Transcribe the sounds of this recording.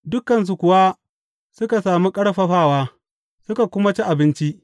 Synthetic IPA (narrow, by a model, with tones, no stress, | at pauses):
dʊ˦kːɐ˨ns̬u˨kʷʊ˨wa˦ | sʊ˦ka˨saː˨mi˦kʼɐ˦ɽɸɐ˨ɸaː˦˨waː˦ | sʊ˦ka˨kʷʊ˦ma˦t͡ʃi˦ʔa˨bɪ˦nt͡ʃi˦ʔ